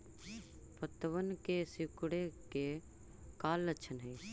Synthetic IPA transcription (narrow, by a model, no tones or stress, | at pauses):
t̪ət̪əʋənkesikɽeke | kaːlːətːʃʰənɦəi